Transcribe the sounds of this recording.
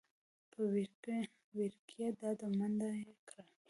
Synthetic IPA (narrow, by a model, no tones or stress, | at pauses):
pʰəw | wiɾkʰjad̪ɑd̪əmand̪aekɾa